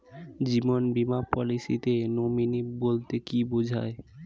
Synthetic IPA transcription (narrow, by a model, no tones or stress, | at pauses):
d͡ʑimonbimapɔlisḭt̪enominibolt̪ekibod͡ʑʱa̰e